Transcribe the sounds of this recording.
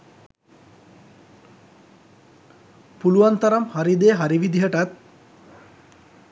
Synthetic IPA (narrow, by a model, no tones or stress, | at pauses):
puluʋɐnt̪ɐɾɐmhaɾid̪eːɦaɾiʋid̪ʱiɦəʈɐt̪̚